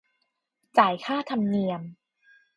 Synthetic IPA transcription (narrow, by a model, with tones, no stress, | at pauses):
t͡ɕaː˨˩jkʰaː˥˩t̪ʰa˧mni˧əm